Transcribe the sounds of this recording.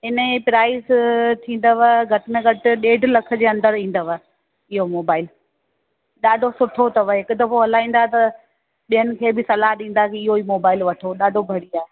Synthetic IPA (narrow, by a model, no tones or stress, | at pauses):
ɪnpɾaːɪst̪ʰĩːn̆d̪əʋəɡʱɐʈɪmẽɡʱɐʈɪ̆ɗeːɖʱlɐkʰə̆d͡ʑeːɐ̃nd̪əɾĩːn̆d̪əʋa | ɪɦomoːbaːɪl | ɗaːɖʱosʊʈʰot̪ɐʋəɦɪkʊt̪ɐfoɦɐlaːĩːnd̪at̪ɐ | ɓijənɪ̆kʰeːbɪsɐlaɦɗĩːn̆d̪akiɪɦoiːmoːbaːɪlʋɐʈʰoɗaːɖʱobʱɐɽiaːɦe